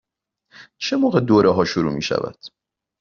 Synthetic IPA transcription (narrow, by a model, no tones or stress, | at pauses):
t͡ʃʰe̞moːɣed̪oːɾʔeɦɒːʃuɾṵːmḭːʃæ̰væ̰d̪̥